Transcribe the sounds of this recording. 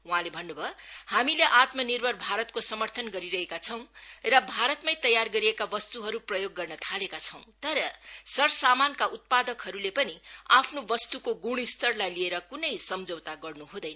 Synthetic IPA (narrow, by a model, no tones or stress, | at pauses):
uɦãlebʱʌnːubʱʌhamileʔat̪mʌnirbʱʌrbʱaɾʌt̪̚kosʌmʌrt̪ʰʌnɡʌɾiɾʌɦekat͡sʰʌw̃rʌbʱaɾʌt̪majt̪ʌjarɡʌɾiekabʌst̪uɦʌɾuprʌjoɡːʌrnʌt̪ʰalekat͡sʰʌw̃t̪ʌɾʌsʌɾsamankaut̪̚pad̪ʌkɦʌɾulepʌniapʰnobʌst̪ukoɡuɽ̃ist̪ʌrlajlieɾʌkunʌjsʌmd͡zʌwt̪aɡʌrnuɦũd̪ʌjnʌ